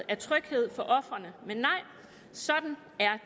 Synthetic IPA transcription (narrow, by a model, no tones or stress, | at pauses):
æɐt͡sʰʁœɡ̥he̝ð̞̰ˠfɒ̽ʔɒ̽fʁɐnəmenːɑ̈ɪ̰ | sɒ̽d̥n̩ | æɐ